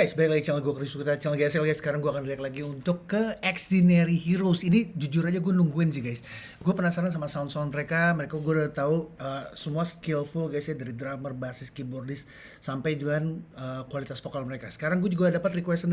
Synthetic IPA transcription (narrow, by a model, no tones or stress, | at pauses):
ɡajsbajklaɡit͡ʃaalɡuakərdisukit̪at͡ʃalɡɛsɛlɡajsːə̥kaɾaŋɡuakanliaklaɡiunt̪ʊkːəɛksdineɾiɦiɾusinid͡ʒud͡ʒʊɾad͡ʒaɡuanuŋɡuɪnsɪɡajs | ɡuapənasaɾans̬amasaunsaunməɾekaməɾekaɡuadat̪auəsəmuaskɪlfʊlɡajsjadaɾidɾamərbasɪskiburdɪsː | ampajd͡ʒuŋanəːkuwalit̪asfokalməɾekasə̥kaɾaŋɡuad͡ʒuɡadapat̪rikuwɛst̪ən